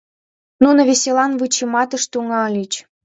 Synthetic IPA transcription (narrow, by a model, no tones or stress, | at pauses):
nunə̆βʲesʲelɑnvɨt͡ɕemɑt̪ə̆ʃt̪uŋɑlʲit͡ɕ